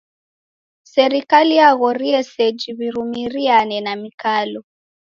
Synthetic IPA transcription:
sɛɾikalijaɣɔɾiɛsɛd͡ʒiβiɾumiɾianɛnamikalɔ

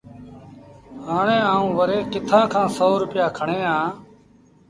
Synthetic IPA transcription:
ɦaːɳẽːaːũːʋəɾeːkɪt̪ʰãːkʰãːsoːɾʊpɪjaːkʰəɳeːɦãː

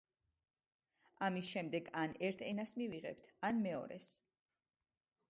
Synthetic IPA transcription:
amisʃɛmd̪ɛɡanɛɾt̪ʰɛnasmiviʁɛ̰p̚t̪ʰanmɛɔ̰ɾɛ̰s

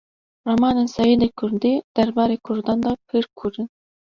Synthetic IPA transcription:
romɑːnensɛjeːd̪ekʰʊɾd̪id̪̥æɾbɑːɾeːkʰʊɾd̪ɑːnd̪ɑːpʰɨɾkʰuɾɨn

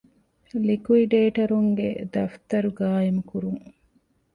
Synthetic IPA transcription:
likuiɖeːʈɐɾuŋɡḛd̪ɐft̪ɐɾuɡaːjemukuɾuŋ

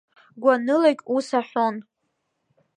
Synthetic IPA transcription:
ɡʷanɨlakʲʼusaħʷon

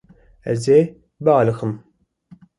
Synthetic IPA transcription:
æ̰ze | bːlɨxəm

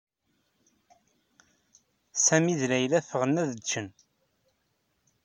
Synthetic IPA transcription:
sæmiðlæjlæfəʁənːæðət͡ʃːən

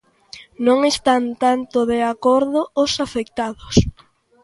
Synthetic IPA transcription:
nõŋest̪ant̪ant̪ʊðeakoɾðʊʊsafek̚t̪aðʊs

